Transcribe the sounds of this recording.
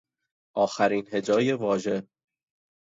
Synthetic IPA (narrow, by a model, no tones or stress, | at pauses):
ʔɒːxæɾiːnhe̞d͡ʒɒːje̞vɒːʒe̞